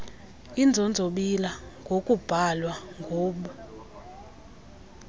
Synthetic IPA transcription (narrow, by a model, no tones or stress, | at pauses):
ind͡zʱond͡zʱoɓilaŋɡʱokʼub̥ʱalwaŋɡʱoːɓu